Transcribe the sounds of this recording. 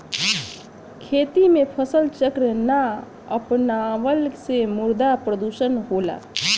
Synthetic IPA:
kʰet̪imepʰəsəlt͡ʃəkɾəna | ə̰pnaʋəlsemuɾd̪apɾəd̪usənɦola̰

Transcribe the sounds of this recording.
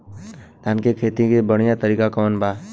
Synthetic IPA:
lankekʰeːt̪ikebəɽ̃ijat̪əɾiːkakɔːnbʱaː

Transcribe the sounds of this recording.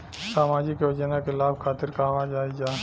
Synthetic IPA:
saːmaːd͡ʒikeɐd͡ʒənakɪlaːbkʰaːt̪ɪɾkamad͡ʒaːid͡ʒaː

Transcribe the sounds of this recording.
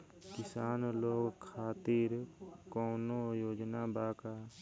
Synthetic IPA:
kɪsaːnloːɡkʰaːt̪iɾkoːnojoːd͡ʒnabaːkaː

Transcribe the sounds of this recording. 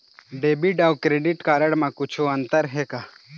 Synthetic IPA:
ɖeːbiɖawkɾeːɖɪʈkaːɾəɽmãkʊt͡ʃʰoɐ̃nt̪əɾɦɛkaː

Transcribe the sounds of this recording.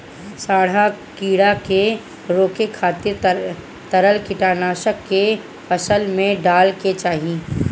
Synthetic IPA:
saːɽ̤akiːɽake | ɾoːkekʰaːt̪ɪɾ | t̪ɐɾəlkɪʈaːɾnaːʃəkːe | fɐsəlmẽɖaːlket͡ʃaːɦiẽː

